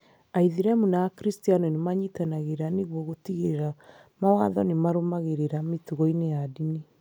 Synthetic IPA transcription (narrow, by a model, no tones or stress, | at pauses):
aiðiɾɛmunaakɾistianɔnemaɲitanaɣeɾaneɣwɔɣotiɣeɾeɾa | mawaðɔnemaɾomaɣeɾeɾametuɣɔinejadine